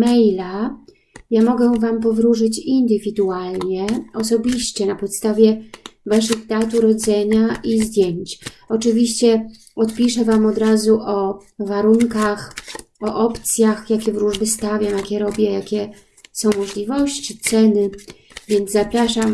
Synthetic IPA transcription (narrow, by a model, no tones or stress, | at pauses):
mɛjla | jamɔɡɛvamp̬ɔvɾuʐɘt͡ɕind̪ɘvʲid̪ualɲɛɔsɔbʲiɕt͡ɕɛnapɔt̪st̪avʲjɛvaʂɘɣd̪at̪uɾɔd̪zɛɲaʔizd̪ʲjeɲt͡ɕ | ɔt͡ʂɘvʲiɕt͡ɕɛ | ɔt̪pʲiʂɛvamɔd̪ɾazuʔɔvaɾuŋkax | ɔʔɔpt̪sʲjaxjakʲɛvɾuʐbɘst̪avʲjamjakʲɛɾɔbʲjɛjakʲɛ | sɔ̃w̃mɔʐlʲivɔɕt͡ɕit̪sɛnɘ | vʲjɛnd̪zzapɾaʂam